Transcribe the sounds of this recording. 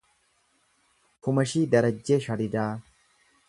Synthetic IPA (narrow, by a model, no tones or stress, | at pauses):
kʊmɐʃiːd̪ɐɾɐd͡ʒːeːʃɐɾɪd̪aː